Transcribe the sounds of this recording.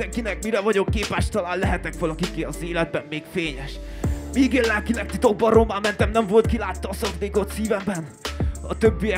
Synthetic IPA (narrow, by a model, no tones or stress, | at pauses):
ɛŋkinɛk̚miɾɛvɒɟo̞kːeːpaːʃt̪ɒlaːllɛɦɛt̪ɛkʋɒlɒkikiɒzeːlɛd̪̚bɛmːeːkfeːɲɛʃ | miːɡeːlːɛlkilɛk̚t̪it̪o̞ɡ̚bɒroːmaːmɛnt̪ɛmnɛɱvo̞lt̪̚kilaːt̪ːɒːsɒvd̪eːkot̪siːvɛmbɛnɒ̰t̪øbːijɛ